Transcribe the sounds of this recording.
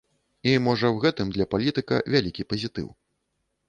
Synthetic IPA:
imɔʐɐwɣɛt̪ɨmd̪lʲɐpalʲit̪ɨkɐ̰vʲalʲikʲipɐzʲit̪ɨ̰w

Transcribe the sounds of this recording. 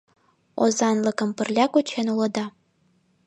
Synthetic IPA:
o̰zɑnlˠɤ̆kɤ̆mpə̆rlʲækut͡ɕʰenulˠɤ̆d̪ɑ

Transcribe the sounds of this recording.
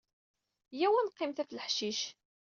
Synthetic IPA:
jæwænqːɪmθæfləħʃiʃ

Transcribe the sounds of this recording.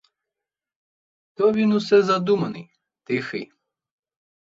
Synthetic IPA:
t̪ɔvinusɛzad̪umɐnḭ | d̪̥exɨ̰

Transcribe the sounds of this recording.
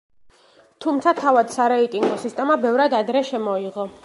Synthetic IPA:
t̪ʰumt̪sʰat̪ʰavad̪̥saɾɛit̪ʼiŋɡɔsist̪ʼɛmabɛvɾad̪ad̪ɾɛʃɛmɔiʁɔ

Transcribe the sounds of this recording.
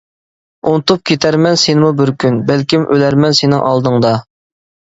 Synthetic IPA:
unt̪up̚kʲʰet̪ʰæɾmɛnsenɪmubɪɾkʲʰynbælkʲimʔølæɾmɛnsenɪ̰ŋʔɑlˠd̪ɨŋd̪ɑ

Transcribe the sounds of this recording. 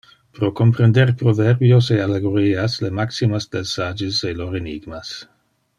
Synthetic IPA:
pɾokompɾend̪erpɾovɛrbjosealeɡoɾiːaslemaksimasd̪elsad͡ʒiseloɾeniɡmas

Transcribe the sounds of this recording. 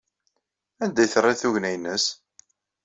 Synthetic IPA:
ænd̪æjθrˤːɪθuʝnæjnːəs

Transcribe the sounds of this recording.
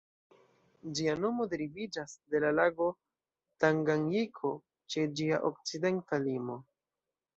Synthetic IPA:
d͡ʒiano̞mo̞deɾivid͡ʒasde̞lalaɡo̞ | taŋɡaŋɡikʰo̞ | t͡ʃe̞d͡ʒiaʔo̞k̚t͡side̞ntalimo̞

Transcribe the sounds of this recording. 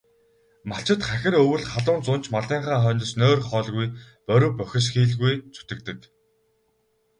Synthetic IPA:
maɬt͡ɕɪ̆t̪χæxʲɪ̆ɾɵwɘ̆ɮχaɮʊːnt͡sʊn̥t͡ɕʰmaɮiːɴχaːχœːnt̪ə̆snoːrχɔːɮɣuj | pœɾʲɵ̆ːpœxʲɪ̆s̬xiːɮɣujt͡sʰu̥t̪ɘ̆k̚t̪ɘ̆k

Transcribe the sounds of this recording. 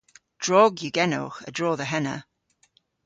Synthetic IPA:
d̥ɹɔɡjʉɡɛno̰ːxə̰dɹɔːðəɦɛnə̰

